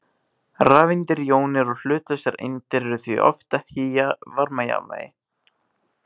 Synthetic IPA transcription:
raːvɪnt̪ɪɾjoːwnɪɾɔl̥ʏːt̪asjɛɾɪ̰nt̪ɪɾɛɾʏθvḭʔɔ̰ft̪ahiːjavaɾmaja̰va̰ːjɪ

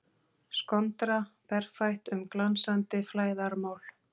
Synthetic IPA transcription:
skɔnt̪ɾapɛr̥fajht̪ʏmklansant̪ɪflaːjðaɾmaːwl̥

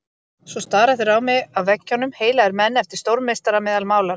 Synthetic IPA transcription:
svɔst̪aːɾaθʏɾawmɪɣawvɛcːɔnʏmheːjlaðɛɾmɛnːɛft̪ɪ̥ɾ̥st̪owɾmːest̪aɾamɛːðalmaːwlaɾ

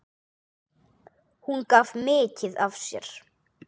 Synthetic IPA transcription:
hunkavmɪːcɪðavsjɛ̰ɾ̥

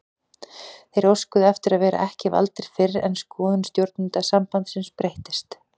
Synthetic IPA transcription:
θejɾoskʏðɛft̪ɪɾaðvɛːɾa̰ʔɛhcɪva̰lt̪ɪɾ̥fɪɾɛ̰nskɔːðʏnst̪jowɾt̪nɪnt̪asampant̪sɪnspɾejht̪ɪst̪

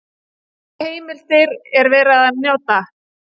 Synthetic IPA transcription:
heːjmɪl̥t̪ɪɾɛɾvɛːɾaðanjaːwt̪a

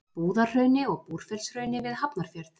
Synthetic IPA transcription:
puːðarr̥œːɥnɪɔɣpuɾ̥fɛlsrœɥnɪvɪðɦapnaɾ̥fjɛɾt

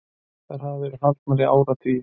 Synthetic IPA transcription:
θaɾɦaðavɛɾʏɦalt̪maɾɪa̰ːwɾat̪ʰvi

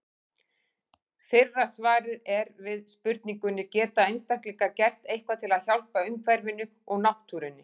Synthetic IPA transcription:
fɪrːasvaːɾɪðɛɾvɪðspʏɾt̪̚niŋkʏnːɪcɛːt̪aejnst̪aŋ̥k̪liŋkacɛr̥t̪ejhkvat̪ʰɪlaðçalpaʏmkʰvɛɾvɪnːʏ | ɔɣnawht̪ʰːuːɾɪnːɪ

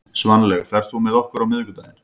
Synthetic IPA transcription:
svanlɛɣθaɾ̥θumɛðɔhkʏɾawmɪðkʏt̪aːjɪn

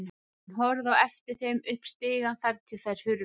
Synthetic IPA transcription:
nɦɔɾðawɛft̪ɪɾ̥θejmʏhpst̪ɪːɣanθaɾt̪ʰɪlθajɾ̥hʏɾ

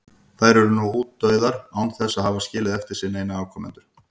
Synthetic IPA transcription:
θajɾɛɾʏnuhuːt̪ːœɥðaɾawnθɛsːaðhavascɪːlɪðɛft̪ɪɾ̥sɪneːjnaaːwkʰɔmɛ̰nt̪ʏɾ̥

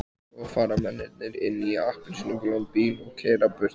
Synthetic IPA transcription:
aɣfaːɾamɛnːɪt̪nɪɾɪ̰nːiahpɪnsnɪŋkʏlɔnpilɔɣkʰɛːɾapʏr̥t̪

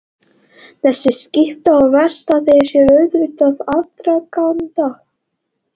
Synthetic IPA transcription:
θɛsːɪscɪht̪aɔvɛ̥st̪aθejsjɛɾœɥðvɪt̪aðat̪ɾakawnt̪a

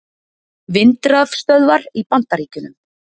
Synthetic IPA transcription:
vɪnt̪ɾafst̪œðvaɾipant̪aɾiːcʏnʏm

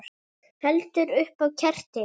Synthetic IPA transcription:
hɛlt̪ʏɾʏhpawcʰɛr̥t̪ɪ

